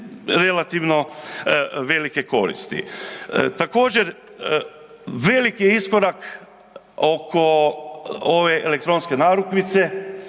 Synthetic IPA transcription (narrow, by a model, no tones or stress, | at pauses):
ɾelat̪iʋno̞ | ʋe̞like̞ko̞̰ɾḭst̪ḭt̪ako̞ːd͡ʑeɾ | ʋe̞likijeiskoɾak | oko | oʋe̞ʔelek̚t̪ɾo̞nske̞naːɾukʋit̪se̞